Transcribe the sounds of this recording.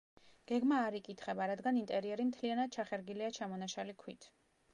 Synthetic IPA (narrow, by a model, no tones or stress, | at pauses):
ɡ̥ɛɡmaːɾikʼit̪ʰχɛbaɾad̪ɡanint̪ʼɛɾiɛɾimt̪ʰlianad̪̥̚t͡ʃʰaχɛɾɡiliat͡ʃʰamɔnaʃalikʰwit̪ʰ